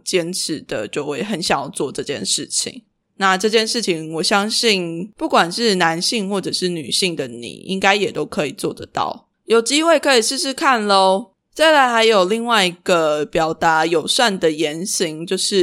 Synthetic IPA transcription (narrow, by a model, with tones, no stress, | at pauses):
t͡ɕjɛ˦˥nʈ͡ʂ̩ʰ˧˥˦d̪̥ə̰˨t͡ɕo˥˧xwe˥˩ɪxə˧˦nɕjɑ˨˩˥t͡swɔ˥˨˧ʈ͡ʂɤ˥˧t͡ɕjɛ̰˥˧˨nʂɻ̩˥˩t͡ɕʰḭ˨˩˦ŋ | na˥˧ʈ͡ʂɤ˥˧t͡ɕjɛ˥˧nʂɻ̩˥˩t͡ɕʰi˨˩ŋwɔ˨˩ɕjɑ˦ŋɕi˥˨npu˥˩kwa˨˩nʂɻ̩˥˩na˧˦nɕi˥˧ŋxwɔ˥˩ʈ͡ʂɤ˨˩ʂɻ̩˥˩ny̰˨˩ɕi˥˩ŋd̪ə˨˩nḭ˨˩ʔḭ˦˥ŋka˥ɪjɛ˨˩t̪o˦˥ʊkʰɤ˧˦i˨˩t͡swɔ˥˨d̪ə̰˩t̪ɑ̰˥˩ʊ | jo˨˩ʊt͡ɕi˥we˥˩ɪkʰɤ˧˥i˨˩ʂɻ̩˥˧ʂɻ̩˥˧kʰa˥˩nlo˧˥ | t͡sa˥˩ɪla˧˥ɪxa˧˥ɪjo˨˩ʊli˥˧ŋwa˥˩ɪi˧˥ɡ̥ə˨pjɑ˨˩ʊt̪a˧˥˦jo˨˩ʊswa˥˩nd̪ə˩jɛ˧˦nɕi˧˥ŋt͡ɕjo˥˧ʊʂɻ̩˥˩